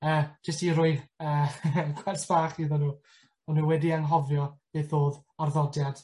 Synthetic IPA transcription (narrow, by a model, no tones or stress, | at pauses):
əːd͡ʒəstiɾʊɨðəːɡʰwɛrsb̥aːχiːðɔnuː | ɔnuːwɛdianɦɔvjɔb̥eːθoːðɔrðɔdjad̥